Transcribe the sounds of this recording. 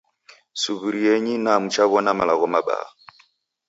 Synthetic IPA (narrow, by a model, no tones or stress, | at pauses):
suβuɾiɛɲinamut͡ʃaβɔnamalaɣɔmaɓa̰a̰